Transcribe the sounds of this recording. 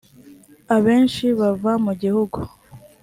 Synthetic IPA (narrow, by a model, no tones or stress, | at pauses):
aβe̞ːnʃiβavamuɟihuɡu